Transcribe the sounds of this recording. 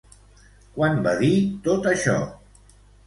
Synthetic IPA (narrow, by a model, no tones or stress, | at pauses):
kwanbaðit̪ot̪əʃɔ̰